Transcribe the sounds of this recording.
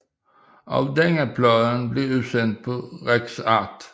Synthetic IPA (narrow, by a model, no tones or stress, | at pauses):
ʔɑ̰ʋd̪ɛŋəpʰlɑðənbleːʉːsɛnt̪̚pʰɔʁɛɡsɑt̪